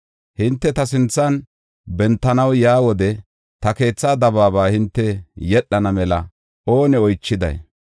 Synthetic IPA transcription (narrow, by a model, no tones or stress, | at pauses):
hɪnt̪ːɛt̪ɐsɪnt͡sːɐn | bɛnt̪ːɐnɐwjaːwɔd̪ɛ | t̪ɐke̞ːt͡sːaːd̪ɐβaːβaːhɪnt̪ːɛjɛɗːɐnɐmɛlɐ | o̞ːnɛɔjt͡ʃːɪd̪ɐ̰j